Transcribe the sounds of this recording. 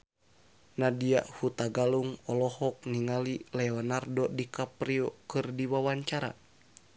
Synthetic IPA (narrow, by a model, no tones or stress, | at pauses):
nadia̰ʔhut̪aɡaluŋɔlɔhɔk̚niŋalilɛɔnardɔdikapɾiɔkɨrdiwawaɲt͡ʃaɾa̰